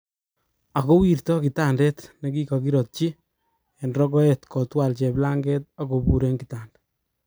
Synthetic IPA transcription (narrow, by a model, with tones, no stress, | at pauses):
a˨ko˦wi˨rtɔ˦ki˨ta˦ndɛ˦tne˨˦ki˦ka˨kiɾɔt̚t͡ʃi˦ | ɛ˨nɾɔ˦ɡɔ˦etkɔ˨twa˨lt͡ʃɛ˨pla˦ŋɡe˦t̚a˨ko˨bu˨ɾe˦ŋkitaː˨nd